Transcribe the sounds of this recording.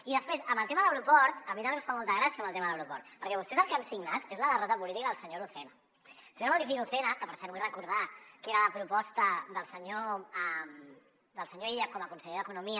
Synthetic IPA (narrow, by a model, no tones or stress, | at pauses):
iðəspɾesəmbəlˠt̪emɐðələwɾupɔɾt̪əmit̪amẽmfamɔlˠt̪əɣɾasiəmbəlˠt̪emɐðələwɾupɔɾt̪̚pəɾkɛβust̪ɛzəlˠkɛmsiɡnat̪ezləðərɔt̪əpuliðikəðəlˠsəɲoɾuθena | səɲoɾmuɾiθinuθenək̪əpəɾsɛɾβuirəkuɾð̞akeɾələpɾupɔst̪əd̪əlˠsəɲom | d̪əlˠsəɲoiʎakɔməkunsəʎeðəkunumi